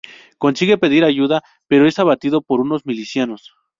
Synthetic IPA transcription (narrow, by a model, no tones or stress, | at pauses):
ko̞nsiɣe̞pe̞ðiɾaʝuða | peɾo̞e̞saβat̪iðo̞po̞ɾuno̞zmilisjanos